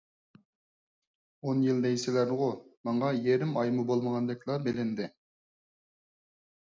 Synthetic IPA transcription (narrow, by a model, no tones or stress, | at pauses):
onjild̪ɛjsɪlæɾd̪ɨʁomɑɴɑjeɾɪmɑjmubolˠməʁɑnd̪ɛkʲlˠɑbelɪnd̪ɪ